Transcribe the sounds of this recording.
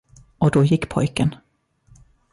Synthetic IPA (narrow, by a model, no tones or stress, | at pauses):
ɔd̪ɔjɪkːpʰɔjkən